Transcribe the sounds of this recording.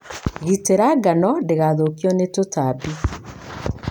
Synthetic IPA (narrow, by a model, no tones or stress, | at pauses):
ɣiteɾaɡanɔdeɣaðokjɔnetotabi